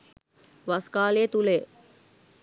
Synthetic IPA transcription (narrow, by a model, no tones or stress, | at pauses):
ʋaskaːleːt̪ule